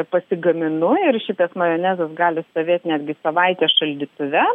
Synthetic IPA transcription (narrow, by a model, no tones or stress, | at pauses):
pɐsʲɪɡɐmʲɪnʊɪɾʃʲɪt̪ɐsmɐjoːnʲæːzɐsɡɑːlʲɪst̪oʋʲeːt̪nʲæːd̪ʲɡʲɪsɐʋɐɪt̪ʲesʃɐlʲd̪ʲiːt̪ʊʋʲɛ